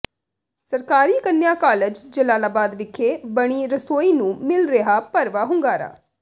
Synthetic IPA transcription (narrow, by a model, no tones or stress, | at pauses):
səɾkaːɾiːkənːjaːkaːləd͡ʒd͡ʒəlaːlaːbaːd̪ʋɪkʰːeːbəɽ̃iːɾəsoːiːnũːmɪlɾeɦaːpəɾʋaːɦʊ̃ŋɡaːɾa̰ː